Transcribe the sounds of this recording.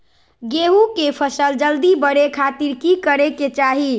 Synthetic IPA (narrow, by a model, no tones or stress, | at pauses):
ɡeɦukepʰəsəld͡ʒəld̪ibəɾekʰat̪iɾkikəɾeket͡ʃaɦi